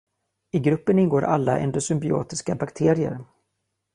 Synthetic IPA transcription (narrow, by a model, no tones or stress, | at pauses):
ɪɡɾɵpːənɪnɡoːɾʔalːa̰ʔɛ̰nd̪ɔsʏmbɪo̰ːt̪ɪskabakt̪ʰeːɾɪə̰ɾ